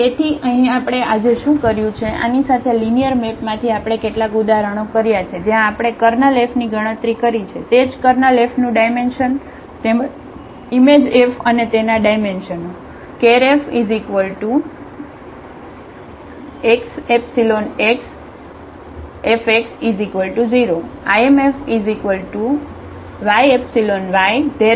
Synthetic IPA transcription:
et̪ʰiʔəɦĩapɽ̃eʔad͡ʒeʃũkəɾjũt͡ʃʰeʔa̰nisat̪ʰelinijəɾmepmãt̪ʰiapɽ̃ekeʈlakud̪aɾəɽ̃okəɾjat͡ʃʰed͡ʒjãːpɽ̃ekəɾnəlefniɡʱəɽ̃ə̃t̪ɾikəɾit͡ʃʰet̪ed͡ʒkəɾnəlefnũɖajmenʃən | t̪em | imed͡ʒefənet̪enaɖajmenʃəno | keɾefizikʋəlʈu | eksepsiloneks | efeksid͡ʒikʋəlʈud͡ʒiɾoaemefizikʋəlʈu | ʋajepsilonʋajd̪e

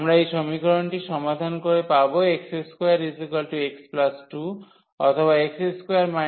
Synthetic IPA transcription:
mɾaejsɔmikɔɾɔɳʈiʃɔmad̪ʱankoɾepaboekseskojaɾɖisikɔlʈueksplasʈu | ɔt̪ʰɔβaekseskojaɾma

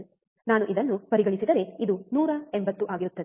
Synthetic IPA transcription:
naːnuʔid̪ɐnːupɐɾiɡɐɳisid̪ɐɾe̞id̪unuːɾɐembɐt̪ːuʔaːɡiɾut̪ːɐd̪

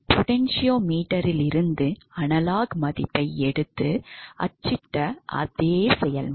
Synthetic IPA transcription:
pɔʈɛnʂɪjoːmiːʈːɐɾɪlɪɾɯnd̪ɯɐnɐlaːɣmɐðɪpːɐɪɛɽɯt̪ːɯɐ̰t͡ʃːɪʈːɐʔɐ̰ðeːsɛjɐl

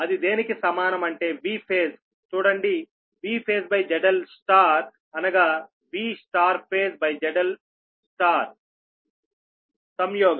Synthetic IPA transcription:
ɐd̪id̪eːnikisɐmaːnɐmɐɳʈe̞ːʋiːpʰeːs | t͡ʃuːɽɐɳɖi | ʋiːpʰeːsbɐjd͡ʒɛɖɐlsʈaːɾ | ɐnɐɡaː | ʋiːsʈaːɾpʰeːsbɐjd͡ʒɛɖɐl | sʈaːɾ | sɐmjoːɡɐ

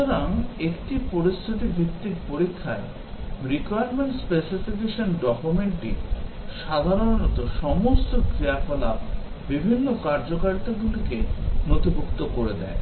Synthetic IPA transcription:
oɾaŋekʈipoɾist̪ʰit̪̬ibʱitt̪ːiɾpoɾikʰːae | ɾikoajaɾmeɳʈspesifik̬eʃonɖɔkumeɳʈḭ | ʃad̪ʱaɾonnɔt̪oʃɔmost̪okɾiapola̰b | bibʱinːokaɾd͡ʑokaɾit̪aɡulikenot̪ibʱukt̪okoɾed̪ɛ̰e

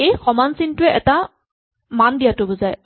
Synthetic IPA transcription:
ejxɔmansintʊɛʔɛta | mandijatʊbʊzaj

